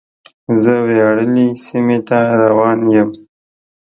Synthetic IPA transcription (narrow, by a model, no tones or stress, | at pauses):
zəweɽəlisimet̪aɾawɑnjəm